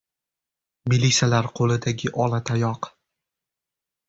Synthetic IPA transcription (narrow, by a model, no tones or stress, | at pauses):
milit̪sʲjalaɾqʰolˠɪd̪aɡʲɪʔɒlˠat̪ʰajɒq